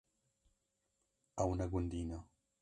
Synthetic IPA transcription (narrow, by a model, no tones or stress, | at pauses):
awnaɡund̪ina